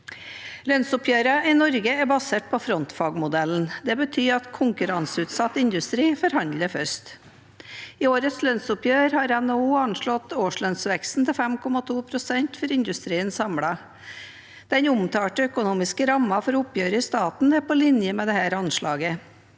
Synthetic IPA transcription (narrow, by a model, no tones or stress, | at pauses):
lœnsʊpʰjøːɾɑʔɪnɔɾɡəɛbɑseːʈ̚pʰɔfɾɔnt̪fɑːɡmʊd̪ɛln̩d̪ɛbət̪ʰyːɑt̪kʰʊŋkʉɾɑnsəʉːt̪sɑt̪ːɪnd̪ʉst̪ɾiːfɔɾhɑnd̪ləfœʂt̪ | ɪoːɾət̪slœnsʊpʰjøːɾhɑːɾɛnouːɑnʂɭɔt̪oːʂɭœnsʋɛkst̪n̩t̪ɪlfɛmkʰɔmɑt̪ʰuːpʰɾʊsɛnt̪fɔɾɪnd̪ʉst̪ɾiːənsɑmɽɑ | d̪̥ɛnʊmt̪ʰɑːʈəœkʊnuːmɪskəɾɑmːɑfɔɾʊpjøːɾəɪst̪ɑːt̪n̩ɛpɔlɪnjəmɛːd̪ɛhæːɾɑnʂɭɑːɡə